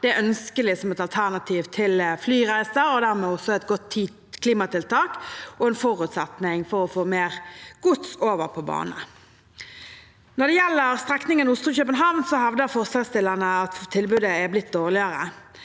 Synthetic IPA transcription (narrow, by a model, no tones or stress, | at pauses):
d̪̥ɛæœnskəlɪsɔmɛt̪ɑlt̪ʰæʁnɑt̪ʰiːʋt̪ʰɪlflyːʁæɪsəɾɔd̪æːʁmɛːɔsːɔɛt̪ɡɔt̪i | kʰliːmɑt̪ɪlt̪ʰɑːkɔɛnfɔʁʉːt̪sɑt̪nɪŋfɔɾɔfoːmeːʁɡ̥ʊt̪soːʋəʁpʰɔbɑ̰ːnə̰ | nɔʁd̪ɛjɛlːəʁst̪ʁɛknɪŋənʊst̪ʁʉːçœpənɦɑʋnsɔhɑʋd̪əʁfɔʁsɑlst̪ɪlːənəɑt̪ʰːɪlbʉd̪əæblɪt̪̚d̪oːʁlɪɑɾə